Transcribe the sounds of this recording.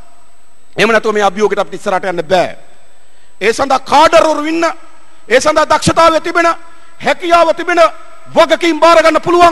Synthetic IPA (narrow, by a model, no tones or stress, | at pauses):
emənɛt̪uʋɐmeːɐbʱjoːɡiʈapitiisːɐɾaːʈɐjanːəbɛː | eːsand̪ʱakaːɖɐɾoɾuʋinːə | eːsand̪ad̪akʃɐt̪aːʋet̪ibenə | hɛkijaːʋət̪ibenə | ʋɐɡɐkiːmbaːɾɐɡanːəpuluʋaŋ